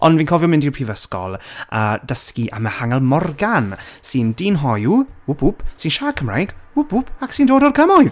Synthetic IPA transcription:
ɔnviːnkʰɔvjɔmɪndipʰr̥ivəskɔ̰lˠəːdəskiʔa̰məhaŋɛlˠmɔrɡansɨndinɦɔjuʊpʰʊpsɨnʃaːkʰəmra̰jɡʊpʰʊpʰaksindoːdɔrkʰəmɔjð

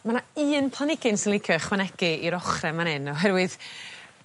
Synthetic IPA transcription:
manaɨːnpʰlˠanɪɡɪnsɪnlˠikʰəχwanɛɡiiɾɔχrɛmanɪnɔɦɛrwɪð̥

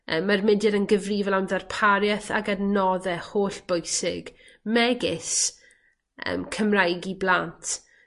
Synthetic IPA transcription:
ə̰ːmːarmɪdɪɾənɡəvriːvɛlˠamðɛrpʰaɾjaθa̰ɡanɔðɛhoːɬb̥ojsɪ̰ɡ̥ | mɛɡɪs | ə̰ːmkʰəmrajɡiblˠantʰ

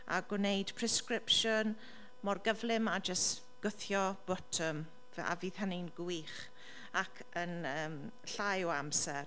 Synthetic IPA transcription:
a̰ɡʊnejd̥pʰrɛskɾɪpʃʊn | mɔrɡəvlɪmad͡ʒəst | ɡ̥ʊθjɔb̥ɔtʰəm | a̰viːðhənɪnɡwiχ | akʰənəːm | ɬajɔamsɛr

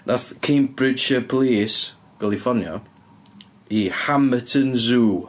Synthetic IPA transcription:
nʔaθkʰembɾɪd͡ʒəpʰlˠiːs | ɡ̥alˠifɔnjɔ̰ | ihamətʰənzuː

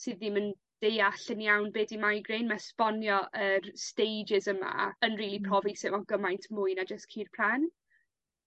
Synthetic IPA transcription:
sɨðimən | d̥ejaɬənjawnbeːdimajɡrenmaspɔnjɔʔərstejd͡ʒɪzəma̰ənriːlˠipʰr̥ɔvisɪvɔɡəmajntʰmʊːjnad͡ʒəstkʰiːrpʰl̥an

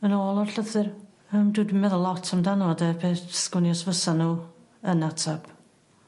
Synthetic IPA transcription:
ənoːlˠɔrɬəθɨr | əmdɨdmɛðəlˠɔtʰamdanɔdəpʰeːθsɡ̥ʊnjɔsvəsanuː | ənatʰab̥

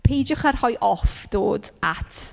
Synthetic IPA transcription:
pʰejd͡ʒʊχarhɔjʔɔfd̥oːdatʰ

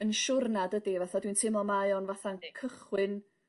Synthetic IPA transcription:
ənʃʊrnadədivɛθadwintʰɪmɔmajɔnvaθaŋɡikʰəχwɪn

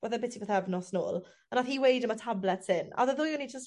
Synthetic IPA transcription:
wəðəbɪtʰibəθɛvnɔsno̰ːlˠ | ənaθiːwejdəmatʰablɛtsɪna̰ðəðʊːjʊnid͡ʒəs

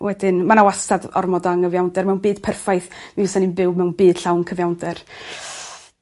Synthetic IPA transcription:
wɛdɪnmanawastadɔ̰rmɔdaŋəvjawndɛrmɛwnbiːd̥pʰɛrfajθmiɪsaninbɪwmɛwnbiːd̥ɬawnkʰəvjawndɛr

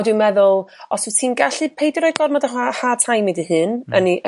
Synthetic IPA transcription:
dwɨmɛðʊlˠɔssʰiːnɡaɬɨpʰejdrɔj̚ɡɔrmɔdaɦahaːtʰajmedihɨnəniʔ

